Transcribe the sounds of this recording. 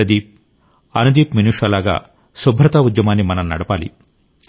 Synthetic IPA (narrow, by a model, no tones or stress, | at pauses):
ɐd̪iːp̚ | ɐnɐd̪iːpminuːʂɐlaːɡa̰ː | subʱɾɐt̪ɐud̪jɐmaːnːimɐnɐmnɐɽɐpaːlḭ